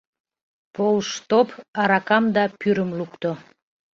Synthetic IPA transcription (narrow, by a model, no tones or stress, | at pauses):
polʃt̪opɑɾɑkɑmd̪ɑpyɾəmlukt̪o